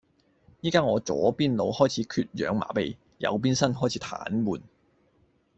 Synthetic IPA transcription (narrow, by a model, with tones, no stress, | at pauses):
jiː˥kaː˥ŋɔː˨˧t͡sɔː˨˥piː˥nlo˨˧whɔː˥jt͡sʰiː˨˧˥kʰyː˧t̚jœ̰ː˨˧ŋma̰ː˨˩pe˨j | jɐ̰˨˧wp̬iː˥nsɐ˥nɦɔː˥˩jt͡sʰiː˨˥t̪ʰa̰ː˨˥nmuː˨˩n